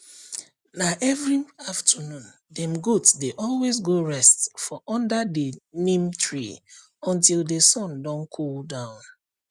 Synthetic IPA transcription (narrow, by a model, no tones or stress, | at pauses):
naʔɛvɹiaftʰənũn | dɛ̃mɡotsdeʔɔlˠwezɡoɹɛstfɔʔɔ̃ndadənĩmtʰɹi | ɔ̃ntildesɔ̃ndɔ̃nkʰoldãʊ̃n